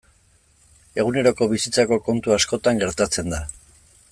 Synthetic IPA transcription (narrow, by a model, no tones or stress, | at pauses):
e̞ɣune̞ɾo̞ko̞βisit͡sako̞ko̞nt̪uasko̞t̪aŋɡe̞ɾt̪at͡se̞nd̪a